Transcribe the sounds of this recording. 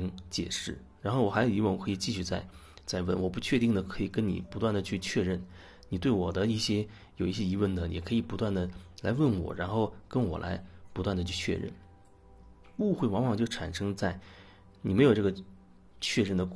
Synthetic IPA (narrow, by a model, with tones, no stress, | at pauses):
ŋt͡ɕjɛ̰˨˩ʂɻ̩˥˩ɻa˧˥nxo˥˩ʊwɔ˨˩xa˧˥jo˨˩ʊi˧˥wə˥˩nwɔ˨˩kʰɤ˧˥i˨˩t͡ɕi˥˧ɕy˥˧t͡sa˥˧ɪ | t͡sa˥˧ɪwə̰˥˩nwɔ˨˩pu˧˥t͡ɕʰɥɛ˥˧i˥˩ŋd̪ə˩kʰɤ˧˥i˨˩kə˥nnḭ˨˩pu˧˥t̪wa˥˩nd̪ə˩t͡ɕʰy˥˧t͡ɕʰɥɛ˥˧ɻə˥˩n | ni˨˩t̪we˥˩ɪwɔ˨˩d̪ə˦i˥˩ɕjɛ˥ | jo˨˩ʊi˥˩ɕjɛ˥i˧˥wə˥˩nd̪ə˩˨˩kʰɤ˧˥i˨˩pu˧˥t̪wa˥˩nd̪ə˩la˧˥ɪwə˥˩nwɔ̰˨˩ɻa˧˥nxo˥˧ʊkə˥nwɔ̰˨˩lʔa̰˧˥ɪpu˧˥t̪wa˥˩nd̪ə˩t͡ɕʰy˥˧t͡ɕʰɥɛ̰˥˧ɻə̰˥˩n | u˥˧xwe˥˩ɪwɑ˧˥ŋwɑ˨˩ŋt͡ɕjo˥˩ʊʈ͡ʂʰa˨˩nʂɤ˥ŋt͡sa˥˩ɪ | ni˨˩me˧˥ɪjo˨˩ʊʈ͡ʂɤ˥˩ə˩ | t͡ɕʰɥɛ˥˧ɻə˥˩nd̪ə˩